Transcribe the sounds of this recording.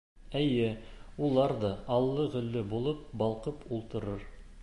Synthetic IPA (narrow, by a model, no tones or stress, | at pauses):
æjɘulˠɑɾd̪ɤɑlˠːɤʁɵ̆lːɘbulˠɤp̚bɑlˠqɤpulˠt̪ɤ̆ɾɤɾ